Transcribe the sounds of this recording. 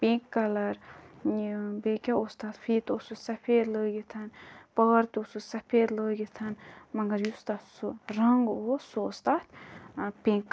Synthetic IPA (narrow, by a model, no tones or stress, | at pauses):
pĩkːɐlɐɾ | bekʲaost̪aːt̪fʰiːt̪osusɐpʰeːɾləːɡit̪ʰɐnpəːɾt̪osusɐpʰeːɾləːɡit̪ʰɐnmɐŋɡɐɾjust̪at̪suɾɐŋɡosoost̪aːt̪pĩːŋkː